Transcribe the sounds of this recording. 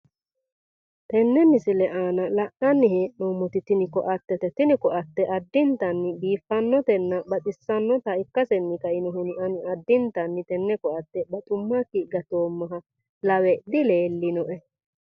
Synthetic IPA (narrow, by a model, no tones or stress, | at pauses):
t̪ɛnːɛmɪsɪlɛʔaːnɐlɐʔɐnːɪheːʔnoːmːɔt̪ɪt̪ɪnɪkɔʔɐt̪ːɛt̪ɛt̪ɪnɪkɔʔɐt̪ːɛʔɐd̪ːɪnt̪ɐnːɪbiːfːɐnːɔt̪ɛnːɐbɐt̪ʼɪsːɐnːɔt̪ɐɪkːɐsɛnːɪkɐʔɪnɔɦʊnɪɐnɪɐd̪ːɪnt̪ɐnːɪt̪ɛnːɛkɔʔɐt̪ːɛbɐt̪ʼʊmːakːɪɡɐt̪oːmːɐɦɐ | lɐwɛd̪ɪle̞ːlːɪnɔʔɛ